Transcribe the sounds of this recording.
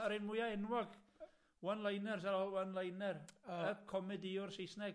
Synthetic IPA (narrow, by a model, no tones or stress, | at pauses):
əɾɪnmʊjaɛnwɔɡ | wanlˠajnɛrs̬aɾɔwanlˠajnɛrɛkʰɔmɪdiʊrsejsnɛɡ